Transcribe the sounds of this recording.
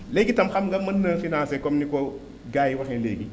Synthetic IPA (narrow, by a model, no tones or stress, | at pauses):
leːɡitɐmxamɡɐmɐnːəfinaːsekɔmniko | ɡaːjiwaxɛnlḛːɡi